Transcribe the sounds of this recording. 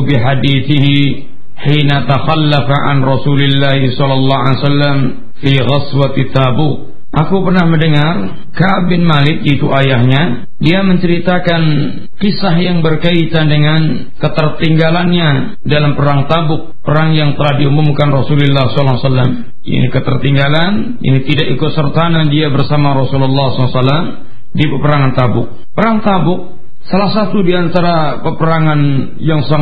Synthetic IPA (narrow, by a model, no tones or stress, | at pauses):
biħadiθɪɦi | ħinat̪axalːafaʕa̰nrɔsulɪlːahisɔlɑlːɑɦalsalːam | fiɣaswat̪it̪ːabuk̚ | ʔakupərnahməndəŋar | kaʔbɪnmalɪk̚dait̪uʔajahɲa | diaməɲt͡ʃəɾit̪akan | kisahjaŋbərkait̪adəŋan | kət̪ərt̪iŋɡalanɲa | dalampəɾaŋt̪abʊk̚pəɾaŋjaŋt̪əlahdiumumkanrɔsulilːahsɔlɑsalːam | ja̰nikət̪ərt̪iŋɡalan | ja̰nit̪idaʔikʊt̪̚sərt̪anadiabərsamaɾɔsululːɑhsɔlsalːam | dipəpəɾaŋant̪abʊk̚ | pəɾaŋt̪abʊk̚ | salahsat̪udiant̪aɾa | pəpəɾaŋan | jaŋsaŋ